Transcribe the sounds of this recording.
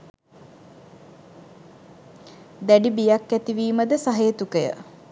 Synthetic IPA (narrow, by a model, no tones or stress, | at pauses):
d̪æɖibijakːæt̪iʋiːməd̪əsaɦeːt̪ukəjə̰